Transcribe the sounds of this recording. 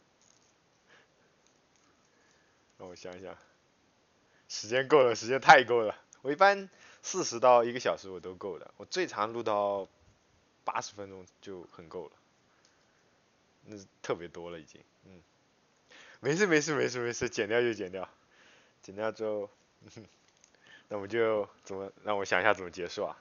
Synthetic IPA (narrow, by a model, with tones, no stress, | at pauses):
a˧˩wɔ˧˩ɕjɑ˧˥ŋi˧˩ɕja̰˥˩ | ʂɻ̩˧˥t͡ɕjɛ˥nko˥˩ʊlə˩ʂɻ̩˧˥t͡ɕjɛ˥nt̪ʰa˥˩ɪko˥ʊlə˩wɔ˨˩i˥˩pa˥n | sɹ̩˥˩ʂɻ̩˧˥t̪ɑ˥˩ʊi˧˥ɡə˧ɕjɑ˨˩ʊʂɻ̩˧˥wɔ˨˩t̪o˥ʊko˥˩ʊd̪ə̰˩wɔ˨˩t͡swe˥˩ɪʈ͡ʂʰɑ˧˥ŋlu˥˧t̪ɑ˥˩ʊ | pa̰˥ʂɻ̩˧˥fə˥nʈ͡ʂʊ˥ŋt͡ɕjo˥˩ʊxə˨˩nko˥˩ʊlə̰˩ | na˥˧t̪ʰɤ˥˩pjɛ˧˥t̪wɔ˥lə˨i˨˩t͡ɕḭ˥ŋn̩˥˩ | me˧˥ɪʂɻ̩˥˩me˧˥ɪʂ̬ɻ̩˥˩me˧˥ɪʂ̬ɻ̩˥˩me˧˥ɪʂɻ̩˥t͡ɕjɛ˨˩nt̪jɑ˥˧ʊt͡ɕjo˥˩ʊt͡ɕjɛ˨˩nt̪jɑ˥˩ʊ | t͡ɕjɛ˨˩nt̪jɑ˥˧ʊt͡ɕo˥˧ʊ˥˩˥ | na˥˩wɔ˨˩t͡ɕjo˥˧ʊt͡sə˨˩nmə˦ɻɑ˥˩ŋwɔ˧˥ɕjɑ˨˩ŋ˩ɕja˥˩t͡sə˩mə˧t͡ɕjɛ˧˥ʂu˥˩a̰˨˩